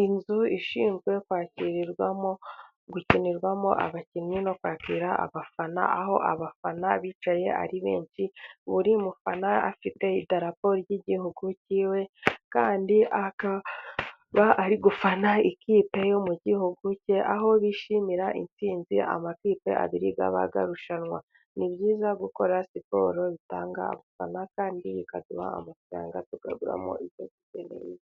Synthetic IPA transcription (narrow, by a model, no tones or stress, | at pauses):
inzuiʃiːnzɡwe̞kwaːciɾiɾɡwa̰mo | ɡuciniɾɡwamo̰ʔa̰βacinɲino̞kwaːkiɾaa̰βafana̰aho̞̰ʔa̰βafanaβiːt͡ʃaje̞a̰ɾiβe̞̰ːnʃiβuɾimufanaa̰fite̞idaɾapo̞ɾjiɟihuɡuciːwe̞kaːndiʔaka | βaaɾiɡufanaikiːpe̞jo̞muɟihuɡuceʔaɦo̞βiʃimiɾaʔint͡siːnzia̰makiːpe̞̰a̰βiɾiɡa̰βa̰ɡa̰ɾuʃanŋwa | nibɟiːzaɡuko̞ɾasipo̞̰ɾo̞βitaːŋɡa̰ːβufanakaːndiikaduma̰ːmafɾa̰ːŋɡatuɡa̰ɡuɾa̰mo̰ʔiotiɟḛnḛje